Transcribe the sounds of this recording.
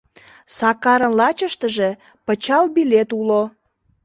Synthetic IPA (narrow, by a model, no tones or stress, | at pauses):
sɑkɑɾənlɑt͡ɕəʃt̪əʒe̽ | pət͡ɕɑlbilet̪ulo